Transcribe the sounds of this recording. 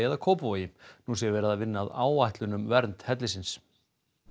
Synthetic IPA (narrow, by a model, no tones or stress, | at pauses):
jaðakʰowpuvajɪnus̬ɛvɛːɾaðavɪnːaðaːwvajht̪lʏnʏmvɛɾnt̪hɛt̪lɪsɪns